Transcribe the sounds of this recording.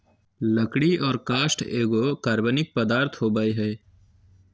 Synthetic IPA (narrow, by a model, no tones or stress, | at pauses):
ləkɽiʔɔːɾkaːʃʈeːɡokaːɾbənɪk̚pəd̪aːɾt̪ʰɦoːbaːiɦɛː